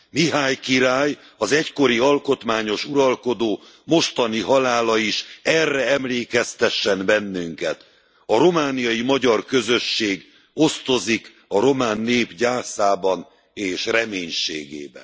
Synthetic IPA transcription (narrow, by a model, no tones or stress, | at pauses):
miɦaːjkiɾaːj | ɒzɛcko̞ɾiɒlko̞t̪maːɲo̞ʃuɾɒlko̞d̪oː | mo̞ʃt̪ɒniɦɒlaːlɒiʃɛrːɛɛmleːkɛst̪ɛʃːɛnbɛnːyŋkɛt̪ | ɒɾo̞maːnijɒjimɒɟɒrkø̞zøʃːeːɡ | o̞st̪o̞zik | ɒɾo̞maːnːeːpɟaːrsaːbɒn | eːʃrɛmeːɲʃḛːɡḛːbɛ̰n